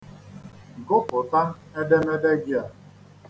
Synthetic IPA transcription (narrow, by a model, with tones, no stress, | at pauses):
ɡʊ˦pʊ˨ta˦ | e˦de˦me˦de˦ɡi˦a˨